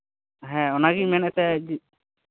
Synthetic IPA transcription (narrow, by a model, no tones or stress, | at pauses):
ɦɛ̃ɔnaɡimɛnɛt̪ɛd͡ʒi